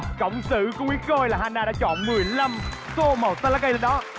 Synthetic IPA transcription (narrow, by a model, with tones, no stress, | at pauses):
kə̰˧˨wŋ͡msɨ̰˧˨ku˨˧˦ŋwi˨˦ko˧jlaː˨˩haː˧naː˧ɗa̰ː˧˥t͡ɕɔ̰˧˨nmɨ˨˩əjla˧m | so˧mo˨˩t̪̚t̪aː˧la˦kə˧jɗe˧˦nɗɔ˨˦